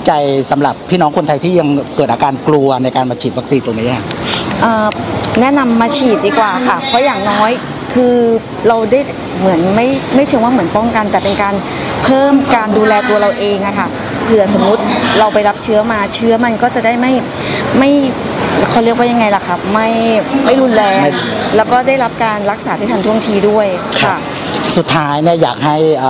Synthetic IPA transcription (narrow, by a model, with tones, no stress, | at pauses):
t͡ɕa˧jsa˩˦mɾa˨˩pʰːiː˥˩nɔː˦˥ŋkʰo˧nt̪ʰa˧jt̪ʰiː˥˩ja˧ŋkɤː˨˩t̪̚aː˧kaː˧nklu˧ɐna˧jkaː˧nmaː˧t͡ɕʰiː˨˩wa˦˥k̚siː˧nt̪o˧ŋniː˦˥a˨˥˩ʔɤː˨˩nɛ˦˥ʔna˧mːaː˧t͡ɕʰiː˨˩t̪̚diː˧˩kwaː˨˩kʰa˥˩pʰɔ˦˥jaː˨˩ŋnɔː˦˥j | kʰɯː˧ | ɾa˧wda˥˩j | mɯ˩˦ənma˥˩jma˥˩jt͡ɕ̪ʰɯ˧˦wa˥˩mɯ˩˦ənpɔ˥˩ŋka˧nt̪ɛː˨˩pe˧nkaː˧n | pʰɤː˥˩mkaː˧nduː˧lɛː˧t̪u˧ɐɾa˧wʔeː˧ŋʔa˨˩kʰa˥˩ | kʰɯː˧˩˨so˩˦mɾu˦˥t̪̚ɾa˧wpa˧jla˦˥p̚t͡ɕʰɯ˦˥ɐmaː˧t͡ɕʰɯː˦˥ɐma˧nkɔː˥˩t͡ɕa˨˩da˥˩jma˥˩j | ma˥˩j | kʰɔː˧˩lɯ˥˩k̚wa˥ja˧ŋːa˧jla˨˩kʰa˦˥˩p̚ma˥˩jma˥˩jɾu˧nlɛː˧lɛː˦˥wkɔː˥˩da˥˩jɾa˦˥p̚kaː˧nla˦˥k̚saː˩˦t̪ʰaː˥˩t̪ʰa˧nt̪ʰu˥˩ə˨ŋt̪ʰiː˧du˥˩əjkʰa˥˩ | su˨˩t̪ʰːaː˦˥jni˥˩ɐja̰ː˨˩k̚ha˥˩j